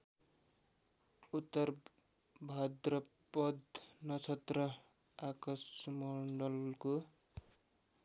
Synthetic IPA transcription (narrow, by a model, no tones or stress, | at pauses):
ut̪ːʌr | bʱad̪rʌ | pʌd̪nʌt͡sʰʌt̪rʌ | akʌsmʌɳɖʌlko